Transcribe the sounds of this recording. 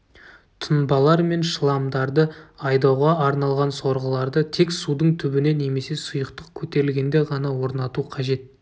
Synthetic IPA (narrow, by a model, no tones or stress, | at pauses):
t̪ʰənbɑlˠɑɾme̞nʃəlˠɑmd̪ɑɾd̪əɑjd̪ɑwʁɑːɾnɑlˠʁɑnso̞ɾʁəlˠɑɾd̪ət̪ʰe̞ksud̪əɴt̪ʰʏbɪne̞ne̞me̞se̞sʊjəqt̪əq̚kʲʰɵt̪e̞ɾɪlɡʲe̞nd̪e̞ʁɑnɑwo̞ɾnɑt̪uqʰɑʒe̞t̪̚